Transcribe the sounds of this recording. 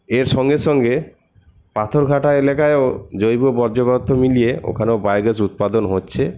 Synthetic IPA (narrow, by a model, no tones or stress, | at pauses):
eɾʃɔŋɡeʃɔŋɡe | pat̪ʰoɾɡʱaʈaelakaeod͡ʑojbobɔɾd͡ʑobat̪ʰːomilijeo̰kʰaneobajɡes̬ut̪̚pad̪onɦotːɕʰe